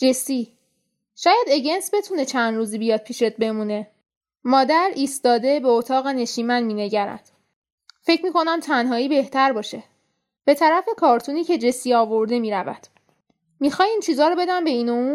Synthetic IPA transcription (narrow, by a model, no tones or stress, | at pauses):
d͡ʒesi | ʃɒːjæd̪e̞ɟe̞nsbe̞t̪ʰune̞t͡ʃʰænd̪ɾuːziːbijɒːd̪̚pʰiːʃet̪̚be̞mune̞ | mɒːd̪æɾiːst̪ɒːd̪e̞be̞ot̪ʰɒːɣe̞ne̞ʃiːmænmiːne̞ɟæɾæ̰d̪̥ | fe̞cʰmiːkʰo̞næmt̪ʰænɦɒːiːbe̞ht̪ʰæɾbɒːʃe̞ | b̥e̞t̪ʰæɾæfe̞kʰɒːɾt̪ʰuniːcʰe̞d͡ʒe̞siɒːvo̞ɾd̪e̞miːɾævæ̰d̪̥ | mixɒːjiːnt͡ʃʰiːzɒːɾɔbe̞d̪æmbe̞iːnouː